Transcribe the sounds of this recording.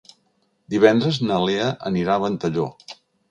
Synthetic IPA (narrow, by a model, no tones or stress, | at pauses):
d̪iβɛnd̪ɾəznəleəʔəniɾaβənt̪əʎo